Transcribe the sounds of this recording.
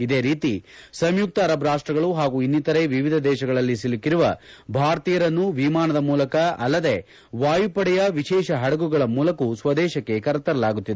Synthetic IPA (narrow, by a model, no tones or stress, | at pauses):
id̪e̞ːɾiːt̪isɐmjuk̚t̪ɐːɾɐbɾaːʂʈɾɐɡɐɭuɦaːɡuːinːit̪ɐɾe̞ʋiʋid̪ʱɐd̪ɛːʃɐɡɐɭɐlːisilikiɾuʋɐbʱaːɾt̪iːjɐɾɐnːuʋimaːnɐd̪ɐmuːlɐkɐɐlːɐd̪e̞ | ʋaːjupɐɽɛjɐʋiʃɛːʃɐɦɐɽɐɡuɡɐɭɐmuːlɐkusʋɐd̪ɛːʃɐkːe̞kɐɾɐt̪ːɐɾɐlaːɡut̪ːid̪ee